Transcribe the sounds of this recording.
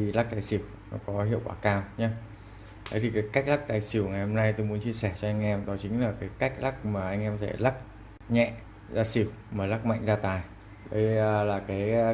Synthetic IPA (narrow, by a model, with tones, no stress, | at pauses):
i˨˩la˦˥k̚t̪aː˨˩jsi˧˩əw | nɔ̰˨˦kɔ˨˦ɦhḭ˧˨əwkwaː˧˩kaː˧wɲa˨˦ | t̪ʰə˨˦t̪i˨˩kaː˨˦jka˦˥k̚la˦˥k̚t̪aː˨˩jsi˧˩əwŋa˨˩jho˧mna˧jt̪o˧jmu˨˦ənt͡ɕi˧əsɛ˧˩t͡ɕɔ˧ʔa˧jŋ̟ʔɛ˧mɗɔ˨˦t͡ɕï˨˦ŋ̟laː˨˩kaː˨˦jka˦˥jk̟̚la˦˥k̚maː˨˩ʔa˧ŋʔɛ˧mt̪ʰɛ̰˧˩la˦˥k̚ | ɲɛ̰˧˨ʔ | zaː˧si˧˩əw | maː˨˩la˦˥k̚ma̰˧˨jŋ̟zaː˧t̪aː˨˩j | ɗə̰˨˦jlaː˨˩kaː˨˦j